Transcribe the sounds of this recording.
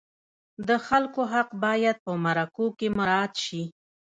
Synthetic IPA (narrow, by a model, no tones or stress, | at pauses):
d̪əxalkoɦaqbɑjad̪̚pəmaɾakokemaɾɑat̪ʃi